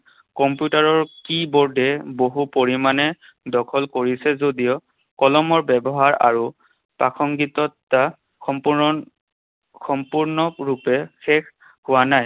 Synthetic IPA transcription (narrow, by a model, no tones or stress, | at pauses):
kɔmpjutaɹɔɹkibɔɹdʱɛboɦupoɹimanɛ | dɔkʰɔlkoɹisɛzodijɔ | kɔlɔmɔɹbɛbɔɦaɹa̰ɹu | pakʰɔŋɡitɔtːa | xɔmpu | xɔmpuɹnɔkɹupɛxɛkʰ | hʊwanaj